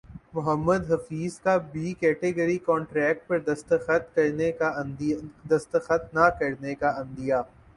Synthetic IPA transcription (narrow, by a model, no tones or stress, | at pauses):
mʊɦəmːəd̪ɦɐfiːzkabiːkɛːʈeɡəɾikɔ̃ːɳʈɾɛːk̚ʈ̚pɐɾd̪ɐst̪əxət̪̚kɐɾnea | d̪ɐst̪əxət̪̚nakɐɾnekaɐ̃nd̪ijaː